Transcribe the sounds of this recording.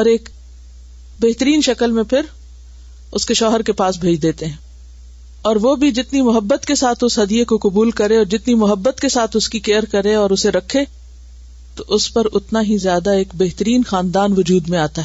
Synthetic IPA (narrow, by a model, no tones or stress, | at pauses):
ɔːɾeːk | beɦt̪əɾiːnʃɐkəlmẽpʰɪɾ | ʊskeʃɔːɦəɾkepaːsbʱeːd͡ʒd̪eːt̪eɦɛ̃ː | ɔːɾʋobʱid͡ʒɪt̪nimʊɦəbːət̪kesaːt̪ʰʊsɦɐd̪iekokʊbuːlkɐɾẽɔːɾd͡ʒɪt̪nimʊɦəbːət̪kesaːt̪ʰʊskikeːəɾkɐɾẽɔːɾʊseɾɐkʰːe | t̪oʔʊspɐɾʊt̪naɦizjaːd̪aeːkbeɦt̪əɾiːnxaːnd̪aːnʋʊd͡ʒuːd̪mẽaːt̪aɦɛː